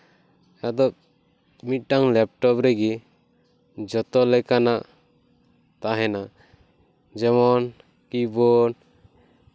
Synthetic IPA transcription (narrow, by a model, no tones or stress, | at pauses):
ad̪ɔ | mit̪̚ˀʈaŋlɛp̚ʈɔpɾɛɡi | d͡ʒɔt̪ɔlɛkanaʔ | t̪aɦɛna | d͡ʒɛmɔn | kibɔn